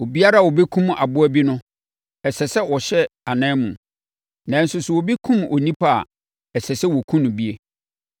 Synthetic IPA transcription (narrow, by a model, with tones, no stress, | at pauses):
o˨bi˦a˦ɾa˦˨wɔ˨be˦kʰũ˦ma̰˨bʊ˦æ˦bi˦nʊ̃˦ | ɛ˨sɛ˨sɛ˦wɔ˨ɕɛ˦a˨nɛ̃˦mṵ̃˨ | nã˨n̩˦sʊ˦sʊ˨wɔ˨bi˦kʰũ˦mɔ˨nĩ˦pʰa˦a̰˨ | ɛ˨sɛ˨sɛ˦wɔ˨kʰũ˦nʊ̃˨bi˦e˨